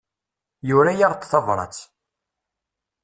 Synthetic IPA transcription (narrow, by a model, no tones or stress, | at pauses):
jʊɾæjaʁt̪ˤθɑvɾˤɑ̰t͡sː